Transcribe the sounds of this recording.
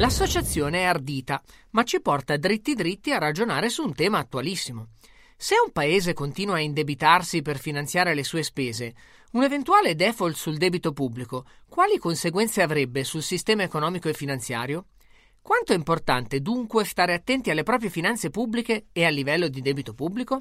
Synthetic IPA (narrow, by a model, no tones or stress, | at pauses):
lasːot͡ʃat̪sːjoːneɛard̪iːt̪amat͡ʃipɔrt̪ad̪ɾit̪ːid̪ɾit̪ːiarad͡ʒonaːɾesuːnt̪ɛːmaːt̪ːualisːimo | seumpaeːzekont̪iːnwaːind̪ebit̪arsiperfinant̪sjaːɾelesuːespeːze | unevent̪uaːled̪ɛfolt̪suld̪ɛːbit̪opubːliko | kwaːlikonseɡwɛnt̪seavɾɛbːesulsist̪ɛːmaekonɔːmikoefːinant̪sja̰ːɾjo | kwant̪oɛimport̪a̰nt̪ed̪uŋkwest̪aːɾeat̪ːɛnt̪ialːepɾɔːp̬ɾijefinant̪sepubːlikeːalːivɛlːod̪id̪ɛːbit̪opubːliko